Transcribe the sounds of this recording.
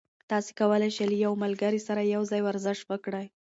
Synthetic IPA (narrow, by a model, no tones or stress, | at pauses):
t̪ɑse̥kawəlajʃeləjawmalɡəɾisaɾajawzɑjwaɾzɪʃt̪wəkɽaj